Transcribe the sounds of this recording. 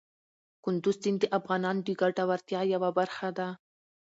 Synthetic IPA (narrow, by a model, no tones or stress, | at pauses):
kʊnd̪ʊzd̪ind̪əʔafɣɑnɑnd̪əɡaʈawaɾt̪jɑjawabaɾxad̪a